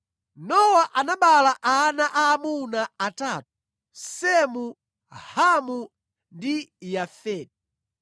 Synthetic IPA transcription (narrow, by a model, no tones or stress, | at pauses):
nɔwaʔanaɓalaʔanaʔaːmunaataːt̚u̥ | sɛmu | hamu | ndijafɛːɗɛ